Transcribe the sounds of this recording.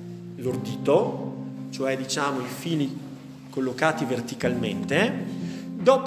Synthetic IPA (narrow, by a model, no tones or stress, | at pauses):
lord̪iːt̪o | t͡ʃoɛd̪it͡ʃaːmoifiːli | kolːokaːt̪ivert̪ikalment̪e | d̪ɔːp